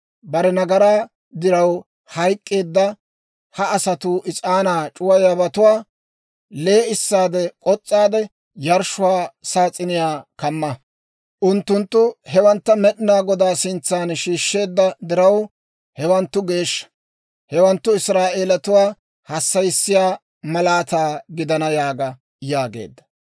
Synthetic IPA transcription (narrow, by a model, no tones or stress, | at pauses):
bɐɾɛnɐɡɐɾaː | d̪ɪɾɐw | hɐjkʼːe̞ːd̪ːɐ | hɐːsɐt̪uːʔɪt͡sʼaːnaːt͡ʃʼʊwɐjɐbɐt̪ʊwaː | le̞ːɪsːaːd̪ɛkʼɔt͡sʼːaːd̪ɛ | jɐɾʃʊwaːsaːt͡sʼːɪnɪjaːkɐmːɐ | ʔʊnt̪ːʊnt̪ːʊhɛwɐnt̪ːɐmɛɗɪnaːɡɔd̪aːsɪnt͡sːaːnʃiːʃːe̞ːd̪ːɐd̪ɪɾɐw | hɛwɐnt̪ːʊɡe̞ːʃːɐ̥ | hɛwɐnt̪ːʊɪsɾaːʔeːlɐt̪ʊwaː | hɐsːɐjɪsːɪjaː | mɐlaːt̪aːɡɪd̪ɐnɐjaːɡɐ | jaːɡḛːd̪ːɐ̥